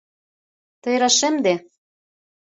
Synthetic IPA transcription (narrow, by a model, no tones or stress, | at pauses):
t̪ɤ̆jɾɑʃɘ̆md̪e